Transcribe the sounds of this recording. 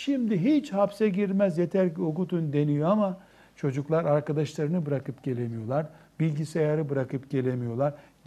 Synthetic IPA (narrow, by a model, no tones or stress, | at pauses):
ʃimd̪iɦit͡ʃhapsɛɟiɾmæzjet̪ʰæɾcokut̪ʰund̪e̞nijo̞ama | t͡ʃʰo̞d͡ʒuklˠaɾaɾkad̪aʃlˠaɾɯnɯbɯɾakɯpɟ̥e̞lʲe̞mijo̞lˠaɾbilʲɟisejaɾɯbɯɾakʰɯpɟe̞lʲe̞mijo̞lˠaɾ